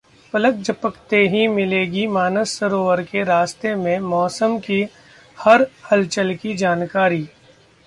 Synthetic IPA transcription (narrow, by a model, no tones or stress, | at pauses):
pɐlək̚d͡ʒəpəkt̪eɦimɪleːɡimaːnəsːɐɾoːʋəɾkeɾaːst̪emẽmɔːsəmki | hɐɾhɐlt͡ʃəlkid͡ʒaːnkaːɾiː